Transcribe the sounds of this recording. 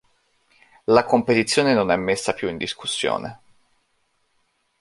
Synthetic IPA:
lakompet̪it̪sːjoːnenonɛmːesːapjuind̪iskusːjo̰ːnḛ

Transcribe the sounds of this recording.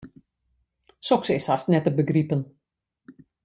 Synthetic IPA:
sɔksɪsastnɛtəbəɡripən

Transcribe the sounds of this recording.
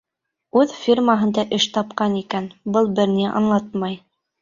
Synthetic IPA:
ʉðfʲirmaɦɤ̆nd̪ɑʔɘʃt̪ɑp̚qɑnikænbɤlˠbɘɾniʔɑ̰nlˠɑt̪mɑj

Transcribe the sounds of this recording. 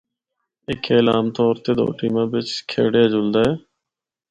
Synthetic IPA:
ɪkʰeːlaːmt̪ɔːɾt̪eːd̪o̰ːʈiːmãːbɪt͡ʃkʰḛːɽejaːd͡ʒʊld̪aːɛː

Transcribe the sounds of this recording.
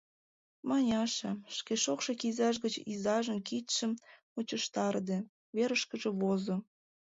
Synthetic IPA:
mɑnʲɑʃɑʃkeʃokʃekizɑʃ̬ɣət͡ɕizɑʒənkit̪ʃəm | ut͡ɕəʃt̪ɑrd̪e | βeɾəʃkəʒeβozo

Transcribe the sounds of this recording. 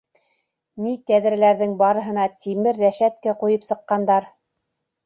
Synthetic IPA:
nit̪æðɾæ̆læɾðɘŋbɑɾɤ̆ɦɤ̆nɑt̪imɘɾːæʃæt̪̚kæqujɤpsɤ̆qːɑnd̪ɑɾ

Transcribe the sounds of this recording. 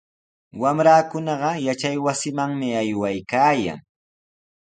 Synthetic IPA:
wamɾaːkʊnɑɢɑjat͡ʃajwasɪmaŋmɪajwajkaːja̰ŋ

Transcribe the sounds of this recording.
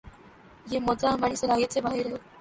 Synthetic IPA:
jemɔd͡zamaɳ̃iselaɡet͡sʰebʱaɦeɾe

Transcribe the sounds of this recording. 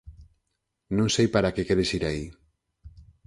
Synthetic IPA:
nõŋsejpaɾakekeɾesiɾai

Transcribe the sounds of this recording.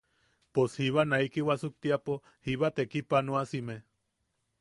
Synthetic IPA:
poshiβanaikiwasuk̚t̪iapo | hiβat̪ekipanuasime

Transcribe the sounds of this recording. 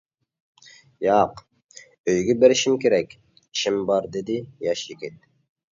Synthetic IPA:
jɑq | øjɡʲɛbeɾiʃimkʲʰeɾɛkʲ | ʃimbɑɾd̪ed̪ijɑʃjikʲʰit̪̚

